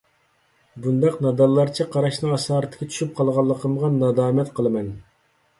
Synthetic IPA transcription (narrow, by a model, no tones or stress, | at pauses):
bund̪ɑqnɑd̪ɑlˠːɑɾt͡ʃʰɛqʰɑɾɑʃnɨɑsɑːɾɨt̪ʰːɪ̥kʰʲt͡ʃʰy̥ʃyp̚qʰɑlˠʁɑlˠːəqʰəmʁɑnɑd̪ɑːmɛt̪qʰəlˠɨmɛn